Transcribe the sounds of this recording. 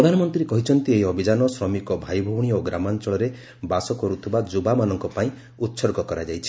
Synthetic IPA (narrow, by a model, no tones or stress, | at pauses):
ɾɔd̪ʱanɔmɔnt̪ɾiɾekɔɦit͡ʃʰɔnt̪ieɦiɔbʱid͡ʒanɔsɾɔmikɔbʱajbʱɔwɽ̃ioɡɾamant͡ʃɔɭɔɾe | basɔkɔɾut̪ʰibad͡ʒubamanɔŋkɔpaĩ | ut̪sɔɾɡɔkɔɾad͡ʒajt͡ʃʰi̥